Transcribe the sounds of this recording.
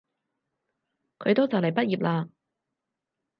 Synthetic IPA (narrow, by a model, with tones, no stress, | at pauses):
kʰɵ˨˧ɥt̪o˥wt͡sɐ˨wlɐ˨˩jpɐ˥t̚jiː˨p̚laː˧